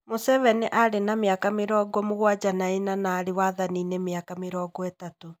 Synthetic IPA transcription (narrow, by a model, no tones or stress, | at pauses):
mosɛvɛneʔaɾenameakameɾɔːɡɔmoɣwad͡ʑanaenanaːɾewaðaninemeakameɾɔːɡɔetato